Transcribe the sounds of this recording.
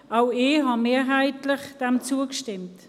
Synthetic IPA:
ʔaʊɪːɦɑmeːɐɦaɪtlɪχd̥ɛmt͡suəkʃtɪmt

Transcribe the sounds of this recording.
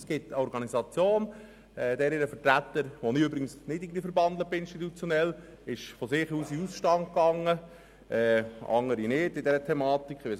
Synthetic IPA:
sɡ̥ɪtəɔɾɡɑnisɑt͡sjoːn | ɛːd̥̪ɛːɾɪɾəfəɾtɾætːəɾʋɔnɪøbɾɪɡənsnɪdiɡliːfəɾbɑnd̪ləpɪnʃtitut͡sjonɛl | ɪʃfɔsɪχuːsiusʃtɑnt̚kɑŋə | ɛɑ̰ŋəɾinɪd̥ɪdɛɾətʰɛmɑːtikχʋe

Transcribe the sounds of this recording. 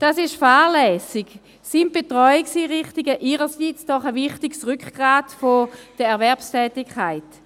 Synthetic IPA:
d̥asɪʃfaːʁlɛːsɪɡ | sint̚b̥etʁɔjɪksiʁɪχtɪɡəʔiʁəsiːt͡sd̥ɔχəviχtɪɡsʁykχɡ̥ʁaːdfod̥əɛɐvɛɐpstʰɛːtɪkχaɪt

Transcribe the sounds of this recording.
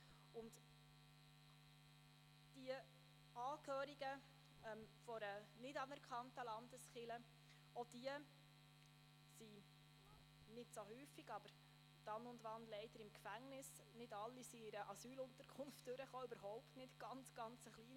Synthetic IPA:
ʊnd | d̥iə | ɑːkʰhøːɾiɡə | ɛmfɔɾənɪtɑnɛɾkχɑntəlɑndəsχɪlə | ɔd̥iə | si | nɪtsohyːfiɡ̥ɑb̥əɾ | d̥ɑnʊndʋɑnlɛɪd̥əɾɪmkfæŋnɪs | nɪdɑlːisiɪɾəʔɑsyːlʊntəɾkʰʊnftd̥øɾəχoːʏbəɾɦɔʊptnɪtɡ̥ɑnt͡sɡ̥ɑnt͡səχliː

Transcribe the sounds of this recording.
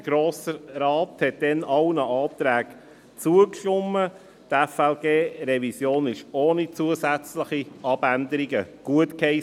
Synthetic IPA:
əɡ̥ɾoːsəɾɑːthɛt̚d̥ɛnɑʊnəʔɑːt̪ɾæːɡ | t͡suəkʃtʊmːə | t̪ɛfɛlɡeːɾɛvisjoːnɪʃoːnit͡suəzæt͡sləχiɑb̥ænd̪əɾiɡəɡ̥uətkhɛɪ

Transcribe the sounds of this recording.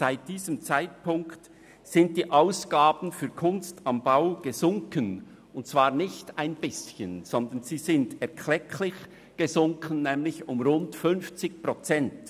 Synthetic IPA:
z̥aɪt̚d̥iːzəmt͡saɪt̚pʰʊŋkt | z̥ɪnt̚d̥iːʔaʊsɡ̥aːb̥n̩fyːɐkʰʊnstɑmbaʊɡ̥əzʊŋkən | ʊnt̚t͡sv̥aːʁnɪçtaɪnb̥ɪsçənz̥ɔndənz̥iːzɪndɛɐkʰl̥ɛkʰlɪç | ɡ̥ezʊŋkʰənːɛːmlɪçʊmʁʊntfʏnft͡sɪçpʁ̥ot͡sɛnt

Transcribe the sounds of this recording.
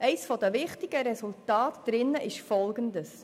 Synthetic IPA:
ʔɛɪsfɔd̥əʋɪχtɪɡ̥əɾɛsultɑːtd̥ɾɪnːəʔɪʃfɔlɡəndəs

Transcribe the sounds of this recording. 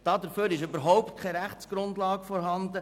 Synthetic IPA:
d̥ɑːd̪əɾføːɾɪʃʏbəɾɦɔʊp̚t̚kʰɛjɾæχtt͡sɡ̥ɾʊndlɑːɡfɔɾɦɑndə

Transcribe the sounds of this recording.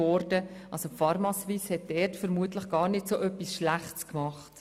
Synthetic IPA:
ɔɾdəʔɑsofɑɾmɑsʋiːshɛt̚d̥ɛrtfəɾmuətləχɡ̥ɑːɾnɪtsoːʔœpːisʃlæχtskmɑχt

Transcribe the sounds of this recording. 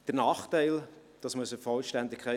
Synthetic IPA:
d̪̥əɾnɑːχtæɪld̥ɑsmʉsəfɔlʃtændɪkʰχæ

